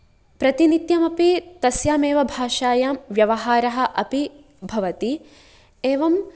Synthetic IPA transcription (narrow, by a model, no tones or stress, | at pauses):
pɾɐt̪init̪jɐmɐpit̪ɐsjaːmeːʋɐbʱaːʃaːjaːmʋjɐʋɐɦaːɾɐɦɐ̆ʔɐpi | bʱɐʋɐt̪i | eːʋɐm